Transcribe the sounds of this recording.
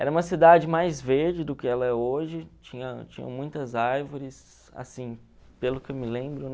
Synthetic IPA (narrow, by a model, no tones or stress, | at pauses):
ɛɾɐũmɐsid̪ad͡ʒɪmajzveɾd͡ʒɪd̪ʊkɪɛlɐɛoʒɪt͡ʃĩɲɐt͡ʃĩɲɐ̰̃mũj̃t̪ɐzaɾvoɾɪs | a̰sĩ | pelʊkɪewmɪlẽmbɾʊn